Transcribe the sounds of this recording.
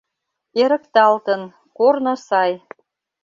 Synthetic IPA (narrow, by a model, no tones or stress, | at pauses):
eɾə̆kt̪ɑlt̪ə̆n | kornɤ̆sɑj